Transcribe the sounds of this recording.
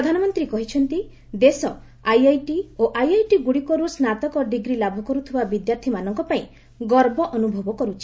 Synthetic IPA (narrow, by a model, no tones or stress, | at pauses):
pɔd̪ʱanɔmɔnt̪ɾikɔɦit͡ʃʰɔnt̪i | d̪esɔ | ajajʈioʔajajʈiɡuɽikɔɾusnat̪ɔkɔɖiɡɾilabʱukɔɾut̪ʰibabid̪jaɾt̪ʰimanɔŋkɔpaĩ | ɡɔɾbɔʔɔnubʱɔbɔkɔɾut͡ʃʰi̥